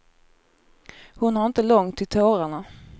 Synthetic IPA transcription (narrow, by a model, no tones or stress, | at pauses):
hʊnhaɾɪnt̪əlɔŋt̪ʰːɪlt̪ʰoːɾaɳa